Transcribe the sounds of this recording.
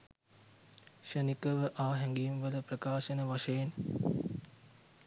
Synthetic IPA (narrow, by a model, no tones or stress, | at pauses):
ʃənikəʋəʔaːɦɛŋɡiːmʋələprəkaːʃənəʋaʃəjen